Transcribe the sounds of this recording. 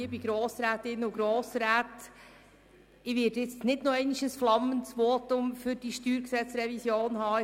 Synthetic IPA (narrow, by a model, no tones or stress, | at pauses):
ibiɡɾoːsɾæːtɪnʊɡɾoːsɾæːt | ɪʋɪːɾdjɪt͡stnɪdnoɛɪnɪʃəsflɑməntsʋoːtʊmfʏɾdiʃtyːɾksɛt͡sɾɛvisjoːnhɑː